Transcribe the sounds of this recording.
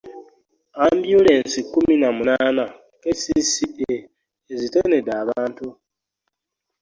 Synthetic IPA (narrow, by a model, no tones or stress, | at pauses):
ambjule̞ːnsikːuminamunaːna | kesisie | ezitenedaːβaːntu